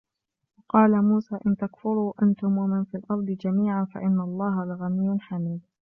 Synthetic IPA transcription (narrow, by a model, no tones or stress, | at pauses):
wɑqɑːlamuːsaːʔɪnt̪akfʊɾuːʔant̪ʊmwamɪnfiːlʔɑɾˤd̪ˤɨd͡ʒamiːʕanfa̰ʔɪnːalˤːɑːɦalaɣamijːnħamiːd̪̚